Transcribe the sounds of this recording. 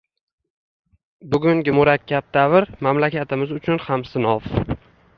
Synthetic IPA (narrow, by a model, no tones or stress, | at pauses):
bʊɡʲʊŋɡʲɪmʊɾakʲʰːab̚d̪avɪɾmamlakʲʰat̪ʰɪmɪzʊt͡ʃʰʊnhamsɪnɒf